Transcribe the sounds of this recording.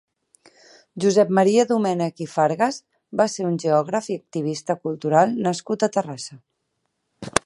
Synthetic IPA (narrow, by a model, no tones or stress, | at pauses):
ʒuzɛp̚məɾiəðumɛnəkifaɾɣəz | baseɾunʲʒeɔɣ̞ɾəfiək̚t̪iβ̞ist̪əkulˠt̪uɾalˠnəskut̪ət̪ərasə